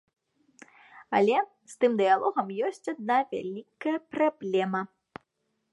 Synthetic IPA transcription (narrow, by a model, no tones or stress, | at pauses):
ɐlʲɛ | st̪ɨmd̪ɨjalˠɔɣɐmjɔsʲt͡sʲad̪̚navʲa̰lʲikːɐjɐpɾablʲɛmɐ